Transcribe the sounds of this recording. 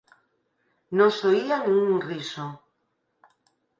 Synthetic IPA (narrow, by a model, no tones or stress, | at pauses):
nõŋsoianĩŋuŋriso